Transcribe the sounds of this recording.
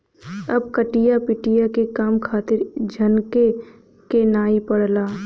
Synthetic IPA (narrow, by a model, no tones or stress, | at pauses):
ɐbkəʈijapɪʈijakekaːmkʰaːt̪ɪɾd͡ʒʱɐnke | kenaːipəɽlaː